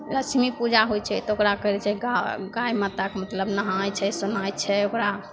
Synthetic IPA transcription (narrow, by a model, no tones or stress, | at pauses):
ɾət͡ʃʰmipud͡ʒaɦojt͡ʃʰɛt̪ɔokɾakəɾɛt͡ʃʰɛɡaɡajmət̪akemət̪ləbnəɦajt͡ʃʰɛsunajt͡ʃʰɛokɾa